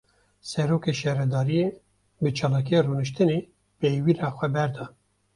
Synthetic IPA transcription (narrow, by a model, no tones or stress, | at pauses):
sɛɾoːkeʃɛɾɛd̪ɑːɾije | bɨt͡ʃʰɑːlɑːkijeruːnɨʃt̪ɨneː | pejwiɾɑːxʷɛbɛɾd̪ɑː